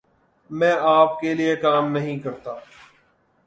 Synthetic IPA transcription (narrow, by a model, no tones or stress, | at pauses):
mɛ̃ːʔaːpkeliekaːmnɐɦĩkɐɾt̪aː